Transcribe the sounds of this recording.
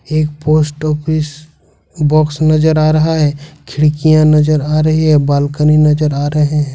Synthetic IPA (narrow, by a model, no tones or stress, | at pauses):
eːk̚poːsʈɔːpis | bɔːksnɐd͡ʒəɾaːɾɐɦaɦɛːkʰɪɽkijãnɐd͡ʒəɾaːɾɐɦiɦɛbaːlkəninɐd͡ʒəɾaːɾɐɦeɦɛ̃ː